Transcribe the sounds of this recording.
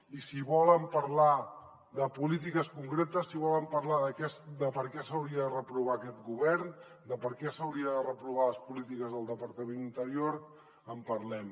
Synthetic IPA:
isiβɔləmpəɾla | ðəpulit̪̬ikəskuŋkɾet̪əsːiβɔləmpəɾlaðəkɛsd̪əpəɾkɛsəwɾiəðərəpɾuβ̞akɛt̪ɡuβɛɾn | d̪əpəɾkɛsəwɾiəðərəpɾuβ̞aləspulit̪ikəzðəlˠd̪əpəɾt̪əmẽnint̪əɾioɾ | əmpəɾlɛm

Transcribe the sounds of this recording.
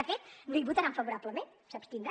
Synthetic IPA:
əfet̪niβut̪aɾaɱfəβuɾapləmen | səpst̪ind̪ɾa

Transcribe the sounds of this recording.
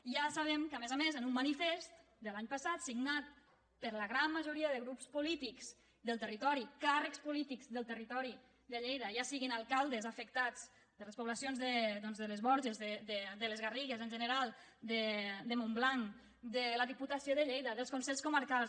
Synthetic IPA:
ʒasaβ̞ɛmkəmezamezənumːanifest̪ | d̪əlaɲpəsat̪siɡnat̪̚ | pəɾləɣɾamːəʒuɾiəðəɣɾupspulit̪ikz̥ | d̪əlˠt̪ərit̪ɔɾikarəkspulit̪ikzðəlˠt̪ərit̪ɔɾi | d̪əʎejðəʒasiɣinalˠkalˠd̪əzafək̚t̪at͡sd͡z | d̪ələspuβləsjonzðəd̪ɔnzðələzβɔɾʒezðəd̪əd̪ələzɣəriɣəzənʲʒənəɾalˠd̪əd̪əmomblaŋ | d̪ələðiput̪asioðəʎejðəðəlˠskunsɛʎskuməɾkalˠs

